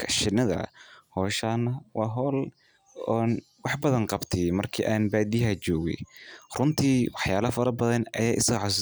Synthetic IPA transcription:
kʰɐ̥ʃɪnɐðɐ̰hɔːʃaːnːɐwɑːɦɔːl | ɔːn | wɑħbɐðɐŋqɑbt̪ʰɛjmɐrkʰḭːʔaːnbaːd̪ijɦat͡ʃɔːɣɛ̰jrʊnt̪ʰiːwɑħjaːlɐfɐɾɐbɐðɐnɐ̰jaːʔɪsɐɣʕɔs̬

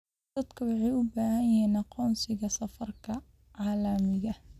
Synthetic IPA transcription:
d̪ɐd̪kʰɐwɑħɑjʊbaːhɐjɛːnɑqɔːnsɪɣɐsɐfɐrkʰɐ | ʕɑːlɐmɪɣɐ

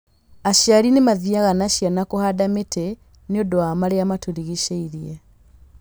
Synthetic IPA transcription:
aʃjaɾinemaðjaɣanaʃjanakohadametʰe | neodoamaɾeamatuɾiɣiʃeiɾie

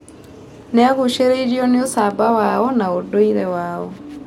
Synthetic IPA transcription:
nɛaɣuʃeɾeiɾiɔneosabawaɔnaodoiɾɛwaɔ

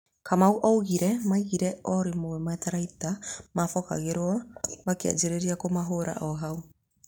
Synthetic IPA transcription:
kamawʔowɣiɾemajɡiɾeoɾimoemaetaɾajtamafoka̰ɣeɾoaβakia̰d͡ʒeɾeɾiakomaɦoɾa̰ʔoɦaw

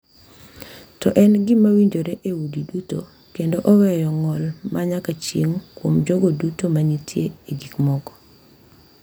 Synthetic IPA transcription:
tɔʔɛnɡɪmawiɲd͡ʒoɾeʔewudiduto | kendoʔɔwɛjɔŋɔlmaɲakat͡ʃjeŋkwomd͡ʒɔɡodutomaɲitjeeɡikmɔɡɔ̥

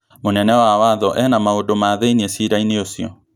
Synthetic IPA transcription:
monɛnɛwawaðɔʔɛnamaodomaðeiniesiɾaineosiɔ

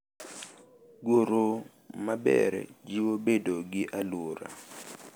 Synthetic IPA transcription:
ɡoɾo | mabɛ̰ɾɛ̰d͡ʒiwobedoɡɪʔaloɾa̰

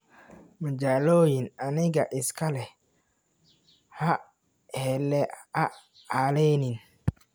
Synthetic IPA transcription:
mɐd͡ʒaːloːjɪnanɪɣɐʔɪskʰɐlɛ | hɐ | hɛlɛa | aːlɛnɪn

